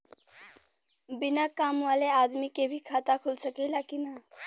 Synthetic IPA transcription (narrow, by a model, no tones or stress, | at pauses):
binakamʋalead̪mikebʱikʰat̪akʰulsəkɛlakina